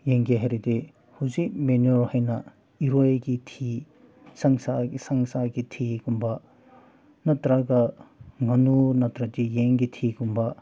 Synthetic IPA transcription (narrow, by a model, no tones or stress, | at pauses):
jeŋɡeɦɐjɾede | huzik̚menoɾhɐjnɐ | iɾojɡitʰi | sɐŋsasɐŋsaɡitʰiɡumbɐ | nɐtɾaɡɐŋɐnunɐtɾɐtijeŋɡitʰiɡumbɐ